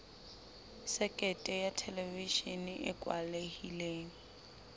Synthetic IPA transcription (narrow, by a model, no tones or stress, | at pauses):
sɛkʼɛtʼɛjatʰɛleviʃinɪʔɪkʼwa̰lehileːŋ̩